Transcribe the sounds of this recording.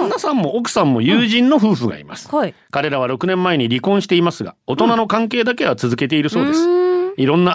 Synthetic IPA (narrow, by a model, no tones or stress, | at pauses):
nasãmːo̞okɯ̟̥sãmːo̞jɯːʑĩnːo̞ɸɯ̟ːɸɯ̟ɡa̰ḭma̰sɨ̥kaɾe̞ɾaβ̞aɾo̞kɯ̟nẽ̞mːae̞ɲ̟iɾʲikõ̞ɰ̃ɕi̥t̪e̞imasɨɡa̰o̞t̪o̞nano̞kãŋke̞ːd̪ak̬e̞βat͡sɨzɨke̞t̪̬e̞iɾɯ̟so̞ːd̪e̞sɨ̥iɾõ̞nːa